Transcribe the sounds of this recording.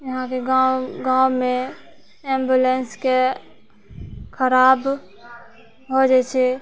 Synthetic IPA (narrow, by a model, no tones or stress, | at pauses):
jəɦãkeɡaɡãːwmẽ | ɛ̃ːmbjulenske | kʰəɾaːb | ɦod͡ʒeːt͡ʃʰɛ